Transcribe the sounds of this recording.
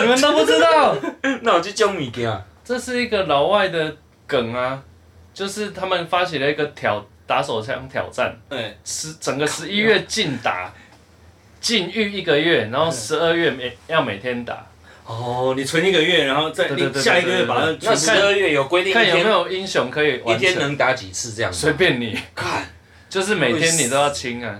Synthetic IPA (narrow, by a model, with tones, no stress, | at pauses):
ni˨mə˨nt̪o˥pu˥˩t͡s̩˦˥t̪ɑ˥˨˩ʊna˥˩wɔ˨˩t͡ɕo˥˩t͡ɕjɔ˦˥ŋmi˨˩kɛ˨˦a˨˩ | ʈ͡ʂɤ˥˧ʂɻ̩˥˩i˧˥ɡə˨la˨ʊwa˥˩ɪd̪ə˨ | kə˨˩ŋa˦ | t͡ɕjo˥˧ʊʂɻ̩˥˩t̪ʰa˥mə˨nfa˦t͡ɕʰjɛ˨˦lə˨i˥ɡə˨t̪ʰjɑ˨˩ʊt̪a˧˦so˨˩ɑ̰˧˦ŋt̪ʰjɑ̰˨˩ʊʈ͡ʂa̰˥˨nʂɻ̩˧˥t͡sə˨˩ŋɡə˩ʂɻ̩˧˦i˦˥ɥɛ˥˧t͡ɕi˥˨˩nt̪a̰˨˩˦ | t͡ɕi˥˨ny˥˧i˥˧˩ɡə˨ɥɛ˥˩na˧˦nxo˥˩ʂɻ̩˧˦ə˥˧ɥɛ˥˩m˨jɑ˥˩ʊme˨˩ɪt̪ʰjɛ˦nt̪a̰˨˩˦ | ɔ˥˩ni˨˩t͡sʰwə˧˦ni˥˩ɡə˨ɥɛ˥˩ɻa˧˥nxo˥˧t͡sa˥˩e˥˧˥t̪ja˥˧i˥ɡə˨˦ɥɛ˥˩pa˨˩˥ʂʰa˥˧ə˥˧ɥɛ˥˩jo˨ʊkwe˥ɪt̪ĩ˥˧ka˥˨˧me˧˦jo˨˩ʊi˦˥ŋɕjɔ˧˥ŋkʰɤ˧˦˥i˨wa˥nt̪ʰjɛ˦n˧nə˧˦ŋt̪a˨˦t͡ɕi˨˩t͡s̩ʰ˥˧ɤ˥˧jɑ̰˥˨swe˧˥ɪpjɛ˥˨nni˨˩kʰa˥˨n | t͡ɕjo˥˧ʊʂ̬ɻ̩˥˩me˨˩jɛ˥˦ni˨˩o˦˥ʊjɑ˥˨ʊt͡ɕʰi˦ŋa˨